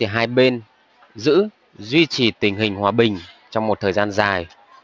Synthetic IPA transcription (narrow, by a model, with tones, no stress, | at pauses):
i˨˩ɦaː˧jɓe˧n | zɨ̰˧˥ | zwi˧t͡ɕi˨˩t̪ï˨˩ŋ̟ɦï˨˩ŋ̟hwaː˧˩ɓï˨˩ŋ̟t͡ɕɔ˧wŋ͡mmo˨˩t̚t̪ʰəː˨˩jzaː˧nzaː˨˩j